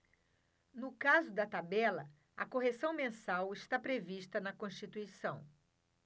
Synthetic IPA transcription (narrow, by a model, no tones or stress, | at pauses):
nʊkazʊd̪ɐt̪abɛlɐ | ɐkoɦesɐ̃w̃mẽsawɪʃt̪apɾeviʃt̪ɐnɐkõʃt͡ʃit̪uisɐ̃w̃